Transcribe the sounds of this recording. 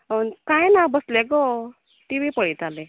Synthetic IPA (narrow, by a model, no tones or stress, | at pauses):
ənkajnabəsleɡɔ | t̪iʋipəɭit̪ale